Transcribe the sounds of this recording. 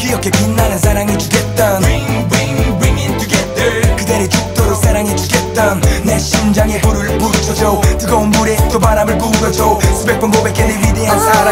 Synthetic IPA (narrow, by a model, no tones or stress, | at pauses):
kiɾʌkʰe̞pinːanɯnsʰaɾaŋid͡ʑuɡet̚t͈ʌniŋbɹiŋbɹiŋɪ̃ntʰuɡɛðəkɯdeɾet͡ɕuk̚t͈oɾosʰaɾaŋid͡ʑuɡet̚t͈ʌnneɕind͡ʑaŋepuɾɯɾɯpuɾɯt͡ɕʰʌd͡ʑotɯɡaombuɾet͈ʰomaɾamɯɭkusʌd͡ʑosʰubek̚p͈ʌnɡobek͈elːibwideansʰaɾ